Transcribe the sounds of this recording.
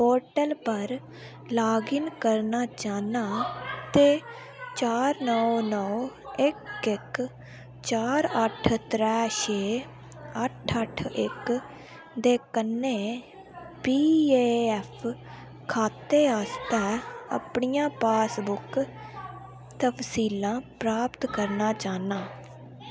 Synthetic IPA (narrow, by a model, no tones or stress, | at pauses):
poːɾʈəlpəɾ | laːɡɪnkəɾnaːt͡ʃaːnaːt̪eː | t͡ʃaːɾnɔːnɔːɪkɪk | t͡ʃaːɾəʈʰt̪ɾɛːʃeː | əʈʰəʈʰɪ̰k | d̪eːkənːẽː | piːeːɛpʰ | kʰaːt̪eːaːst̪ɛːə̰pɳijãːpaːsbʊk | t̪əpsiːlãːpɾaːpt̪kəɾnaːt͡ʃaːnaː